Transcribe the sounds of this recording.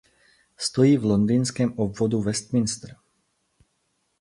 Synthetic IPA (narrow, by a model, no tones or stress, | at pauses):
st̪ɔjiːvlɔnd̪iːnskɛːmɔbvɔd̪uʋɛst̪minst̪ɾ̩